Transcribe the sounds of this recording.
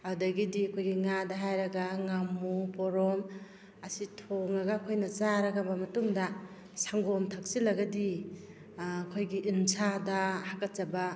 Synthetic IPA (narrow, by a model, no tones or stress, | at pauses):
adɐɡidikʰujɡiŋadaɦajɾɐɡaŋamupɔɾɔm | ɐsitʰoŋɐɡakʰojnɐt͡ʃaɾɐɡabɐmɐtuŋdɐ | saŋɡɔmtʰak̚silɐɡɐdi | kʰojɡiʔinsʰadahakat̚t͡ʃaba